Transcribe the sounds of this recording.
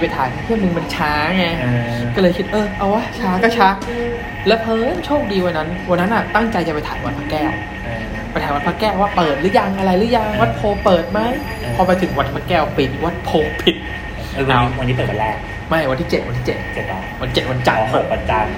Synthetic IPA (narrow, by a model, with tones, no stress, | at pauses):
pa˧jt̪ʰaː˨˩˦nʰa˧t̪ʰi˥˩ə˩nɯ˧ŋma˧nt͡ɕʰaː˦˥˧ŋɛ˧˥˧kɔː˥˩lɤː˧jkʰi˦˥t̪̚ʔɤː˧ʔa˧˩wa˦˥˩t͡ɕʰaː˦˥kɔ˥˩t͡ɕʰa˦˥ʔ | lɛː˦˥wpʰɤː˧˥t͡ɕʰoː˥˩k̚diː˧wa˧nːa˦˥nwa˧nːa˦˥nʔa˨˩t̪a˥˩ŋt͡ɕa˧jt͡ɕa˨˩pa˧jt̪ʰaː˩˦nwa˧t̪̚pʰa˦˥kːɛː˥˩˧ | pa˧jt̪ʰaː˩˦wa˧t̪̚pʰa˦˥kːɛː˥˩pʰwa˥˩pɤː˨˩t̪̚lɯ˦˥ja˧ŋʔa˧ɾa˧jlɯ˦˥ja˧˩ŋwa˦˥t̪̚pʰoː˧pɤː˨˩t̪̚ma˧˥˩j | pʰɔː˧pa˧t̪ʰɯ˨˩˦ŋwa˧˥t̪̚pʰa˦˥kːɛː˥˩wpi˨˩t̪̚wa˦˥t̪̚pʰoː˧pʰi˨˩t̪̚ː | wa˧nːiː˦p̪eː˨˩a˧lɛː˥˩k̚ | ma˦˥˩jwa˧nt̪ʰiː˥˩t͡ɕe˨˩t̪wa˧t̪ʰiː˥˩t͡ɕe˨˩t̪̚e˨˩˧wa˧n˦t͡ɕe˨˩t̪̚wa˧n˦t͡ɕa˨˩˧pɤː˨˩t̪̚pa˧˩t͡ɕa˧m